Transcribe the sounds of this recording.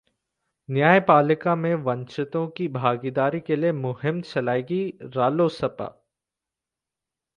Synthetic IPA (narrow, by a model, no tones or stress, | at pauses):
njaːjpaːlɪkamẽʋɐ̃nt͡ʃɪt̪õkibʱaːɡid̪aːɾikeliemʊɦɪmt͡ʃɐlaːeːɡiɾaːloːsɐpa̰ː